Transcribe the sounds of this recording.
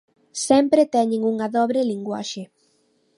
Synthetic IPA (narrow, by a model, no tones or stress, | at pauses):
sɛmpɾet̪ɛɲẽŋuŋaðɔβɾeliŋɡwa̰ʃe